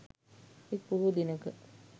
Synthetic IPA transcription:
ekpuɦud̪inəkə

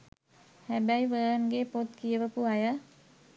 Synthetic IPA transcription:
hæbæjʋəːnɡepot̪kiəʋəpuajə

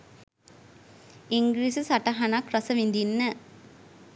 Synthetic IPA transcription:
iŋɡɾiːsɨsɐʈɐɦɐnakrɐsɐʋind̪inːə

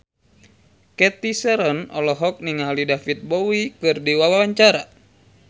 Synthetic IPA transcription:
kɛt̪isɛɾɔnɔ̰lɔɦɔk̚niŋalidafit̪̚bowikɨrdiwawawaɲt͡ʃaɾa

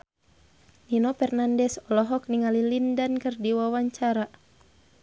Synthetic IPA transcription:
ninɔfɛrnandɛsɔlɔɦɔk̚niŋalilindankɨrdiwawaɲt͡ʃaɾa

